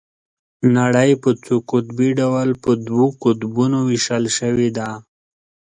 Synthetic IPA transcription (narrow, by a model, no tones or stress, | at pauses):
naɽəjpət͡sukʊt̪biɖawalpəd̪wukʊt̪bunowɪʃalʃəwed̪a